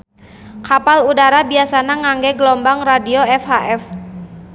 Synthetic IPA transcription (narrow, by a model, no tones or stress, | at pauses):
kapaludaɾabiasanaŋaŋɡɛɡəlɔmbaŋradioɛfhaʔɛf